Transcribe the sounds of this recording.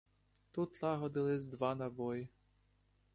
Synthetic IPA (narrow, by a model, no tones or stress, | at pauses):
t̪ut̪lˠɑɦɔd̪ɪlˠɪzʲd̪ʋɑnɐbɔji